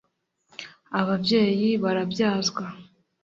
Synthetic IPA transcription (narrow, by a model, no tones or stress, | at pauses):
aβabje̞ːjiβaɾabjaːzɡwa